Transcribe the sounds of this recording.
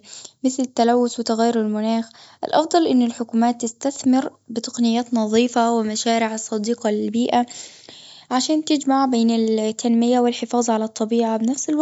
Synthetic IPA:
mɪθlɪt̪ːalawːʊswɪt̪aɣajːʊɾɪlmʊnaːxʔɪ̰lʔɑfd̪ˤɑlʔɪnːɪlħʊkuːmaːt̪ːɪst̪aθmɪɾbɪt̪ɑ̥qnɪjːaːt̪nɑðˤiːfawɪmaʃaːɾɪʕɑsˤːɑd̪iːqɑlɪlbiːʔa | ʕaʃaːnt̪ɪd͡ʒmaʕbeːnɪlt̪ʰːanmɪjawɪlħɪfɑːzˤʕalat̪ˤːɑbiːʕabɪnafsɪlwa

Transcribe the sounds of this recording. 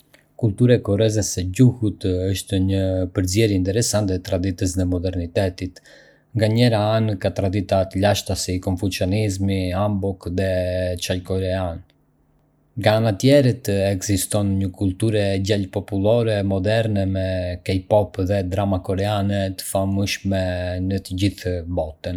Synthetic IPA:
kult̪uɾakɔrɛzɛsɛɟuhut̪əʃt̪əɲəpəɾzjɛɾjiint̪ɛɾɛsant̪ɛt̪ɾad̪it̪əsðɛmɔd̪ɛɾnit̪ɛt̪it̪ | ŋɡaɲɛɾaankat̪ɾad̪it̪at̪əʎaʃt̪asikɔɱfut͡ʃjɔnizmiambɔkðɛt͡ʃalkɔɾɛan | ŋɡaanat̪jɛɾət̪ɛɡzist̪ɔnɲəkult̪uɾɛɟɛlpɔpulˠɔɾɛmɔd̪ɛɾnɛmɛkɛjpɔpðɛd̪ɾamakɔɾɛanɛt̪ə̥faməʃmɛnət̪əɟiθbɔt̪ən

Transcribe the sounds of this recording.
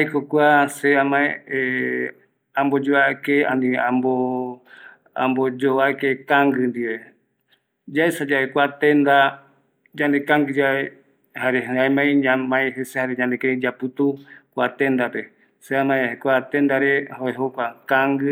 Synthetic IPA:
ajkokʷaseamãẽe | ãmbod͡ʒoakeã̰nĩãmbo | a̰mbod͡ʒoaekekãŋɡɨnd̪iβe | d͡ʒaesad͡ʒaʔekʷat̪ẽnd̪a | d͡ʒãnd̪ekãŋɡɨd͡ʒae | haɾeɦaemãĩɲãmãẽɦesehaɾeɲãnd̪eked͡ʒapɨt̪ukʷat̪end̪ape | seamãẽkʷat̪end̪aɾehoeɦokʷakãŋɡɨ

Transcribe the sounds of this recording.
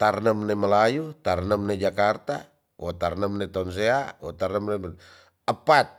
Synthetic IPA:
t̪arnəmneməlajut̪arnəmned͡ʒakart̪a | wot̪arnəmnet̪ans̬eawo̰t̪arnəmne | əpat̪̚

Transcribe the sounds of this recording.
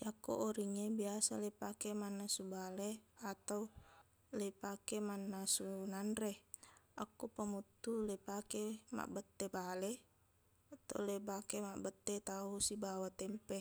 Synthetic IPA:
jako̰ʔoɾiŋebiasalepakemanːasubaleat̪au | lepakemanːasunanreʔakːupamut̪ːulepakema̰ʔbət̪ːebale | at̪a̰ulebakemaʔbət̪ːet̪ausibawat̪ɛmpe

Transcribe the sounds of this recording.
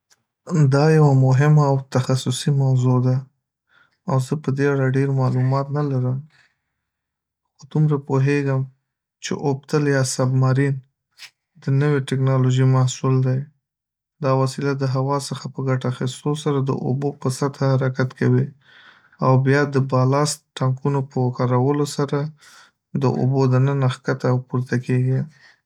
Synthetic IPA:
d̪ɑjawamʊɦɪmaːwt̪axasʊsimawzod̪a | awzəpəd̪eaɽaɖeɾmɑlumɑt̪nalaɾəm | xod̪umɾapoɦeɡəm | t͡ʃḛʔob̚t̪əljɑsabmaɾin | d̪ənəweʈɪknɑloʒimahsuld̪aj | d̪ɑwasilad̪əɦawɑsəxapəɡaʈaːxist̪osaɾad̪ə̰ʔo̰bopəsat̪hahaɾakat̪kʰawi | awbjɑd̪əbɑlɑst̪ʈaŋkunopəkɑɾawəlosaɾa | d̪əʔo̰bod̪ənənaxkat̪awpuɾt̪akeɡi

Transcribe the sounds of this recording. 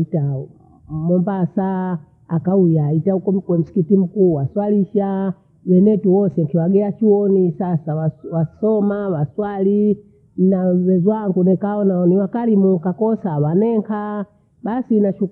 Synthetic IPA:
ta | mɔmbasaː | kaujaitahukɔmkwɛm̩si̥kitim̩kuːwaswaliʃa | wɛnɛtuwɔsɛŋkiwaɡɛat͡ʃiwɔnisasawawasɔmawaswali | nawɛzwaŋɡunɛkaɔnaɔniwakalimukakɔsawanɛŋɡʰa | basinaʃu

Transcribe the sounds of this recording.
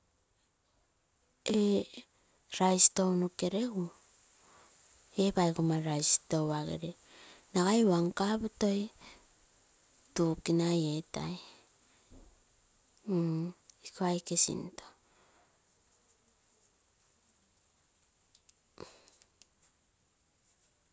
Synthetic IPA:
e | ɾajsto̞wnuke̞ɾe̞ɡu | e̞bajɡumaɾajsto̞waɡḛɾe | naɡajwaŋkaputo̞j | tukinajeta̰j | ikoajkesḭnto

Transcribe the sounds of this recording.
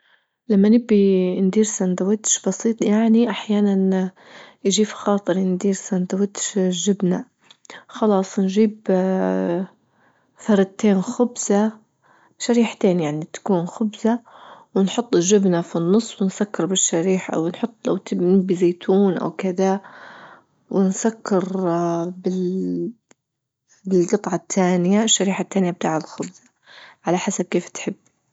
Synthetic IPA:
lamːanɪbːind̪iːɾsand̪awɪt̪ʃb̥ɑsiːt̪ˤjaʕniʔaħjaːnan | jʒiːfxɑːt̪ˤɨɾʔɪnd̪iːɾsand̪awɪt̪ʃʒɪbna | xɑlɑːsˤnʒiːb | θɑɾˤɑt̪eːnxʊbz̥a | ʃaɾiːħt̪eːnjaʕnit̪ḁkuːnxʊbzawɪnħʊt̪ˤːɪʒɪbnafinːɨsˤːwɪnsakːɪɾbɪʃːaɾiːħaʔa̰wnħʊt̪ˤːla̰wt̪ɪnɪbːizeːt̪ʰuːnʔa̰wkɪd̪a | wɪnsakːɪɾ | bɪ | bɪlɡɨt̪ˤʕɑt̪ʰːaːnɪjaɪʃːaɾiːħat̪ːaːnjab̚t̪aːʕɪlxʊbzḁ | ʕalaħasab̚keːft̪ħɪbː

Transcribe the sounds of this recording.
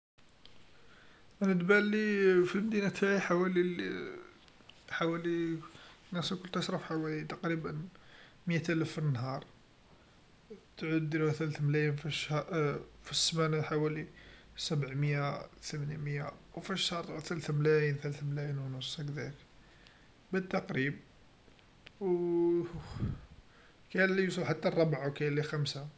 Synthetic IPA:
ʔənət̪bælifilmd̪inæt̪hæjħawæli | ħawæli | næskʊlt̪æʃɾˤɑfħawælit̪ɑqɾibən | məjæt̪ælæfːinːhɑɾˤ | t̪ʕud̪ːiluhæt̪ælæθmlæjənfiʃ | fisːmænħawæli | sæbəʕməjat̪əmæniməjːawfiʃhɑɾˤt̪ˤt̪ælæθmlæjənθælæθmlæjənwnʊsˤːækd̪æk | bæd̪̚t̪ːɑqɾib̚ | w | kælijusˤəlħat̪ːarˤːɑbʕawkæjlːixæmsa

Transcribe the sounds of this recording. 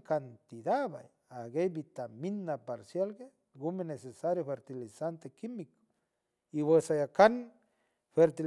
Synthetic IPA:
kant̪id̪aba̰j | aɡejbit̪aminːapaɾsjalɡe | ɡumenesesaɾjofeɾt̪ilisant̪ekimiko̥ | iβesajakan | feɾt̪i

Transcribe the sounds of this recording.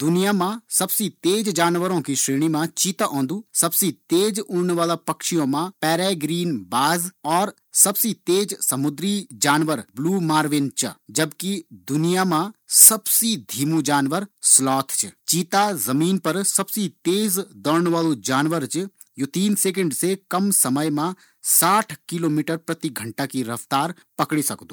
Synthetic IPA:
d̪ʊnijaːmãsɐbsit̪eːd͡ʒd͡ʒaːnʋəɾõkiʃɾeːɽ̃imãt͡ʃiːt̪aʔɔ̃ːnd̪uːsɐbsit̪eːd͡ʒʊɳʋaːlapɐkʃijõːmãpɛːɾɛːɡɾiːnbaːzɔːɾ | sɐbsit̪eːd͡ʒsɐmʊd̪ɾid͡ʒaːnʋəɾbluːmaːɾʋɪnt͡ʃɐ̰d͡ʒɐbkid̪ʊnijamãsɐbsid̪ʱiːmud͡ʒaːnʋəɾslɔːt̪ʰt͡ʃʰt͡ʃiːt̪azɐmiːnpɐɾsɐbsit̪eːzd̪ɔɾɳʋaːlud͡ʒaːnʋəɾt͡ʃ | jot̪iːnseːk̬ə̃ɳɖsekɐmsɐməjmã | saːʈʰkiloːmiːʈəɾpɾɐt̪iɡʱɐ̃ɳʈakiɾɐʋt̪aːɾ | pɐkɽisɐkd̪uː

